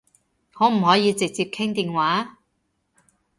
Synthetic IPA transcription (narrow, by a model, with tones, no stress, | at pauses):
hɔː˨˥m̩˨˩hɔː˨˥jiː˨˧t͡sɪ˨k̚t͡siː˧p̚kʰɪ˥ŋt̪iː˨nwaː˨˥